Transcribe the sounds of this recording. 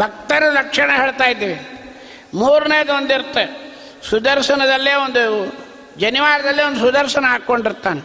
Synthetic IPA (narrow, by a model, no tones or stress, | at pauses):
bʱɐk̚t̪ɐɾɐlɐkʂɐɳɐɦeːɭt̪aːjid̪ːiːʋi | muːɾuneːjɐd̪ʋond̪iɾut̪ːe | sud̪ɐɾʃɐnɐd̪ɐlːeːond̪u | d͡ʒɐniʋaːɾɐd̪ɐlːiond̪usud̪ɐɾʃɐnɐɦaːkoɳɖiɾt̪ːaːne